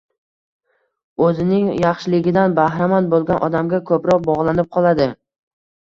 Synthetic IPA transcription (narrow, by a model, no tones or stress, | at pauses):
ɵzɪnɪŋjɑχʃɪlɪɡʲɪd̪anbahɾamanbolˠɡʲanʔɒ̰d̪amɡʲakʰɵpɾɒq̚bɒʁlˠanɪp̚qʰɒlˠad̪ɪ